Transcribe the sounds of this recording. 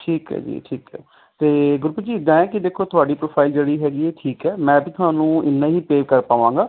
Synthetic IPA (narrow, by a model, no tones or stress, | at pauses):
ʈʰiːkɦɛ̰ːd͡ʒḭːʈʰiːkɦɛ̰ː | t̪eːɡʊɾpəd͡ʒiːɪd̪ãːɛ̃ːkɪd̪eːkʰːoːt̪ʊaːɖiːpɾoːpʰaːɪld͡ʒeːɽiːɦɛːɡiɛːʈʰiːkɛːmɛ̃ːbiːt̪ʊɦaːnũːɪ̰nːãːɦiːpeːʋkəɾpaːʋãːŋɡaː